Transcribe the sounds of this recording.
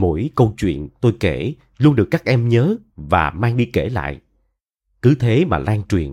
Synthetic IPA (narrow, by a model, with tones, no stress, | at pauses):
mo̰˧˥jkə˧wt͡ɕwḭ˧˨ənt̪o˧jke˧˩ | lu˧nɗɨ˨˩əkːaː˦˥k̚ʔɛ˧mɲəː˨˦vaː˨˩maː˧ŋɗi˧ke˧˩la̰ː˧˨jʔ | kɨ˨˦t̪ʰe˨˦maː˨˩laː˧ŋt͡ɕwḭ˨˩ən